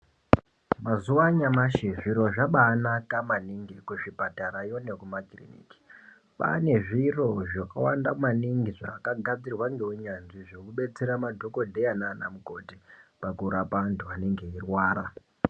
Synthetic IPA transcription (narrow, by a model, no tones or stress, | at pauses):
mazuwaɲamaʃiʐiɾo̞ʐaɓaːnakamaniŋɡikuʐipataɾajone̞kumaklḭnḭki̥ | pa̰ne̞ʐiro̞ʐaka̰wandamaniŋɡiʐaːkaɡʱad͡zirwaŋɡe̞uɲanʐiʐo̞kuɓe̞t͡se̞ɾamadʱo̞ko̞dʱe̞janaːna̰muko̞tipakuɾapantʰuane̞ŋɡe̞irwaːɾa